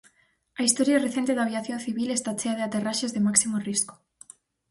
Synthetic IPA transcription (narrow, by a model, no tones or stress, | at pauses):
ɐist̪oɾjareθent̪eðaβjaθjõnθiβilest̪at͡ʃeaðeat̪eraʃezðemaksimorisko̥